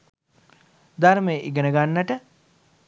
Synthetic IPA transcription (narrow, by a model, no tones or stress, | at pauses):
d̪aɾmejʔiɡənəɡanːəʈə